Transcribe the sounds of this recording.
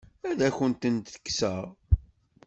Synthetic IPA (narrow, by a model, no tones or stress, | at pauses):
æðæçənt̪ənt̪θə̥kːsəʁ